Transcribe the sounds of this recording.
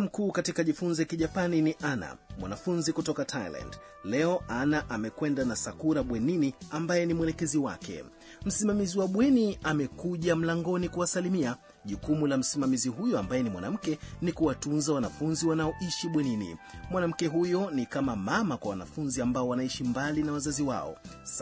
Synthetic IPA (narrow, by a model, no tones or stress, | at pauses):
m̩kuːkatikaʄifunzɔjakiʄapaniniʔana̰mwa̰nafunzikutɔkatʰajla̰nd | lɛɔʔanaʔamɛkwɛndanasakuɾaɓwɛniniambajɛnimwɛlɛkɛziwa̰kɛ̰ | m̩simamiziwaɓwɛniamɛkuʄam̩laŋɡɔnikuwasalimia | ʄukumulam̩simamiziɦujɔambajɛnimwa̰nam̩kɛnikuwatunzawanafunziwanaɔʔiʃiɓwɛninḭmwanam̩kɛɦujɔnikamamamakwawana̰funziambaɔwanaiʃimbalinawazaziwa̰ɔ̰